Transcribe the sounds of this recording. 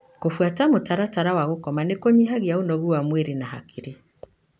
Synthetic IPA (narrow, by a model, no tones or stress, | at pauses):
kofwatamotaɾataɾawaɣokɔmanekoɲiɦaɣiaonɔɣuwamweɾenaha̰kiɾe